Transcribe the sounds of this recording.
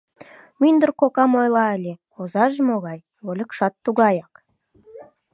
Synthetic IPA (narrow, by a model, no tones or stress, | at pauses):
mynd̪ərqokɑmojlˠɑælʲe | ozɑʒəmoʁɑj | wolʲɪkʃɑt̪ːuɡɑjɑq